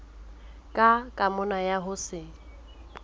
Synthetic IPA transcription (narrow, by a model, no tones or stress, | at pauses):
kʼakʼamʊnajaɦʊsɪ